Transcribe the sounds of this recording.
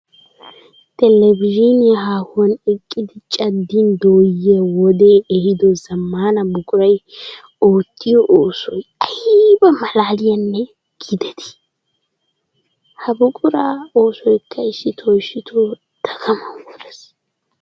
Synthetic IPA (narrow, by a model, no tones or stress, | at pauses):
t̪ɛlɛbɪʒɪnɪjɐɦaːhʊɐnɛkʼːɪd̪ɪt͡ʃʼɐd̪ːɪnd̪oːjɐwɔd̪eːɛhɪd̪ɔzɐmːaːnɐbʊkʼʊɾɐj | oːt̪ːɪjɔʔoːsɔjɐjbɐmɐlaːlɪjɐnːɛ | ɡ̥ɪd̪ɛt̪ɪ̥ | hɐbʊkʼʊɾaːoːsɔjkʰːɐɪsːɪt̪ʰɔjʃːɪt̪ʰo | d̪̥ɐɡɐmɐɔdɛs